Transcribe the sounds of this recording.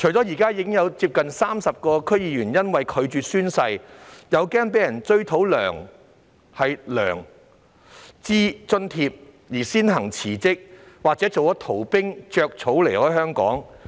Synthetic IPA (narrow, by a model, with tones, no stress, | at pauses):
t͡ʃʰɥt͡sɔ˨˥jiː˨˩kaː˥jiː˧kɪ˥ŋjɐ˨˧wt͡siː˧p̚kɐ˨nsaː˥msɐ˨p̚kɔː˧kʰɵ˥ɥjiː˧jyː˨˩njɐ˥nwɐ˨jkʰɵ˨˧ɥt͡ʃyː˨t̚syː˥nsɐ˧jjɐ˨˧wkɛː˥ŋpe˨˥jɐ˨˩nt͡ʃɵ˥ɥt̪ʰo˨˥wlœː˨˩ŋ | hɐ˨jlœː˨˩ŋ | t͡siː˥t͡sɵ˧nt̪ʰiː˧p̚ | jiː˨˩siː˥nhɐ˨˩ŋt͡sʰiː˨˩t͡sɪ˥k̚waː˨k̚t͡sɛː˨˥t͡so˨wɔ˨˥t̪ʰo˨˩wpɪ˥ŋt͡ʃœː˧k̚t͡sʰo˨˥wle˨˩jhɔː˨˥jɦœː˥ŋkɔ̰ː˨˥ŋ